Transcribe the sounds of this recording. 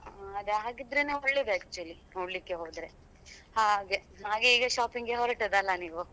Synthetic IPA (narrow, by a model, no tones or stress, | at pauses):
aɐd̪eɦaːɡid̪ɾeneːoɭːed̪eaːk̚t͡ʃuɐli | oɽlikːeɦoːd̪ɾe̞ | haːɡe | naːɡeiːɡɐʃaːpiŋɡeɦoːɾɐʈɐd̪ɐlːɐniːʋu